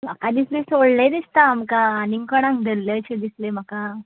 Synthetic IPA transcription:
m̤akad̪islesoɭlə̃d̪ist̪aːmkaːniŋkəɽ̃ãŋkd̪əlːət͡ɕed̪islem̤aka

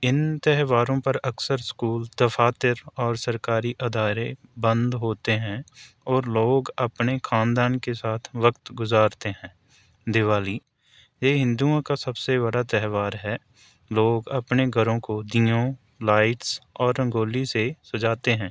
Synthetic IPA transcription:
ɪnt̪ɛɦʋaːɾõpɐɾɐksəɾskuːld̪ɐfʰaːt̪ɪɾɔːɾsɐɾkaːɾiʔɐd̪ʱaːɾebə̃nd̪ɦoːt̪eɦɛ̃ | ɔːɾloːɡɐpnexʰaːnd̪aːnkesaːt̪ʰʋəkt̪ɡʊzaːɾt̪eɦɛ̃ː | d̪ɪʋaːliː | jeːɦɪ̃nd̪uãkasɐbseβɐɽat̪ɛɦʋaːɾɦɛ | loːɡɐpneɡʱɐɾõkod̪iːõ | laːɪʈsɔːɾːɐ̃ŋɡoːlisesɐd͡ʒaːt̪eɦɛ̃ː

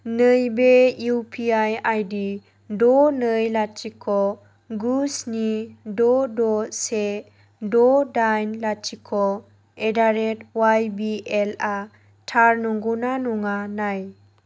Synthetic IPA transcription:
nəjbeupʰiajajdi | dɔnəjlat͡ʃikʰɔ | ɡusnidɔdɔse | dɔdajnlat͡ʃikʰɔ | edaɾetwajbiela | tʰaɾnuŋɡunanuŋanaj

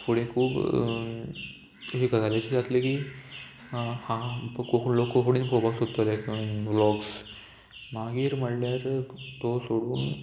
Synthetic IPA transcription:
puɽẽkʰuːb | ɦiɡəzaljat͡ɕiːɡat̪lekiː | hãpkoklokːokuɽĩnpɾobʱaɡsod̪t̪oljakiblɔɡs | maɡiːɾm̤əɽljaɾt̪osoɽuːn

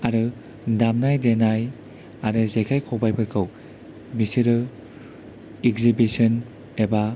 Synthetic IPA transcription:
aɾɯ | damnajdenaj | aɾɯzekʰajkʰowbajpʰɯɾkʰɯw | misiɾɯ | ikzibisɯn | eba

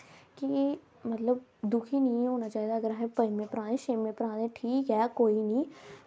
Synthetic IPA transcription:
ki | mət̪ləbd̪ʊkʰiːnĩɦoːnaːt͡ʃaːɦiːd̪aːəɡəɾaɦẽpəimẽːpəɾãːẽʃeːmẽːpəɾãːd̪ẽːʈʰiːkɦɛːkoːinĩː

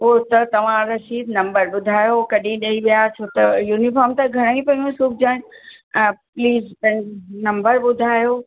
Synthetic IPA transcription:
oːt̪ɐt̪ɐʋ̤ãɾɐʃiːd̪nɐ̃mbəɾɓʊd̪ʱaːjokɐɗĩɗɐiʋijat͡ɕʰoːt̪ɐjuːnifɔːɾmt̪ãɡʱɐɽ̃aːĩpɐ̃ĩũsuːk̚ʰd͡ʑaːɪnɪ | pliːzt̪ɐ̃ɦɪ̃nɐ̃mbəɾɓʊd̪ʱaːjoː

